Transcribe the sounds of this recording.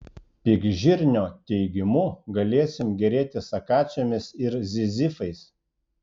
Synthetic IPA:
pʲɪɡʒʲɪɾʲnʲoːt̪ʲɛɪɡʲɪmʊɡɐlʲeːsʲɪmɡʲɛɾʲeːt̪ʲɪsɐkɑːt͡ʃʲomʲɪsɪɾzʲɪzʲɪfɐɪs

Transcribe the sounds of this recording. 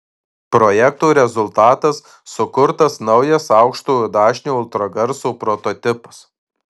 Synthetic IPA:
pɾɔjɛk̚t̪uːɾʲɛzʊlˠt̪ɑːt̪ɐsː | ʊkʊɾt̪ɐsnɐʊjɛsɑʊkʃt̪uːjuːd̪ɑːʃʲnʲuːʊlˠt̪ɾɐɡɐɾsuːpɾɔt̪ɔːt̪ʲɪpɐs

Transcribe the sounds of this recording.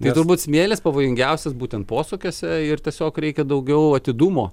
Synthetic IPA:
t̪ɐɪt̪ʊrbuːt̪sʲmʲeːlʲeːspɐʋoːjɪŋɡʲɛʊsʲɛsbuːt̪ʲɛnt̪poːsʊkʲoːsʲɛɪrt̪ʲiɛsʲoːkɾʲɛɪkʲɛd̪ɐʊɡʲɛʊɐt̪ʲɪd̪uːmoː

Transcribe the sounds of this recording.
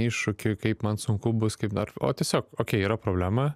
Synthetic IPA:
iːʃʃʊkʲʊkɐɪpmɐnsʊŋkʊbʊskɐɪpɐro̰ːt̪ʲiɛsʲoːkoːkʲɛɪiːɾɐpɾoːblʲæːmɐ

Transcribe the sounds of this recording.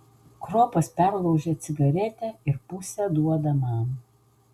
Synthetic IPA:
kɾoːpɐspʲæɾlˠɐʊʒʲeːt̪sʲɪɡɐɾʲɛt̪ʲɛɪɾpʊsʲɛd̪uɔd̪ɐmɑːn

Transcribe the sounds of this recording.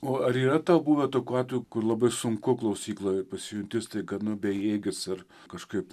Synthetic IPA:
oːɐɾiːrɐt̪ɐʊbuːʋʲɛt̪oːkʲuːɑːt̪ʋʲojuːkʊrlˠɐbɐɪsʊŋkʊklˠɐʊsʲiːklˠoːpɐsʲɪjʊnʲt̪ʲɪst̪ɐɪɡɐnʊbʲɛjeːɡʲɪsɐr | kɐʃkɐɪp

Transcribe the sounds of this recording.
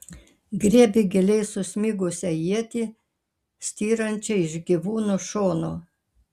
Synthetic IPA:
ɡɾʲiɛbʲɪɡʲɪlʲɛɪsʊsʲmʲiːɡʊsʲɛjiɛt̪ʲiː | sʲt̪ʲiːɾɐnʲt͡ʃʲɛɪʒɡʲiʋuːnuʃoːnoː

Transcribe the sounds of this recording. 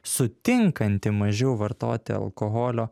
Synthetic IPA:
sʊt̪ʲɪŋkɐnʲt̪ʲɪmɐʒʲɛʊʋɐɾt̪o̰ːt̪ʲɪ̰ɐ̰lˠkɔɦɔːlʲoː

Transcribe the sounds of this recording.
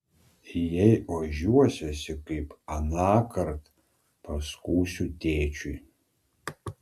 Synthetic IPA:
ijejaʒuwɔsʲɐsʲɪkʼɐjpʰʼanaːkʰɐrtʰʼ | pʰaskʷuːsʲutʰeːt͡ʃʰi

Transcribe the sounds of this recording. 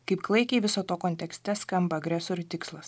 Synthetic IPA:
kɐɪpklˠɐɪkʲeːʋʲɪsoːt̪oːkɔnʲt̪ʲɛksʲt̪ʲɛskɐmbɐɐɡɾʲæsoːɾʲʊt̪ʲɪkslˠɐs

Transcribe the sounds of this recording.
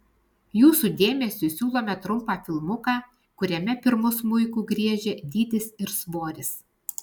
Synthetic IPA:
juːsuːˑd̪ʲeːmʲɛsʲʊsʲuːlˠoːmʲɛt̪ɾʊmˑpɑːfʲɪlˠmʊkɑː | kʊɾʲɛmʲɛpʲɪɾmʊsmʊɪkuːɡɾʲiɛʒʲɛd̪ʲiːd̪ʲɪsɪɾsʋoːɾʲɪs

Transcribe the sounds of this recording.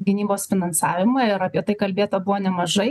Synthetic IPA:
ɡʲɪnʲiːboːsfʲɪnɐnsɑːʋʲɪmɑɪɾɐpʲiɛt̪ɐɪkɐlʲbʲeːt̪oːbʊʋoːnʲɛmɐʒɐɪ

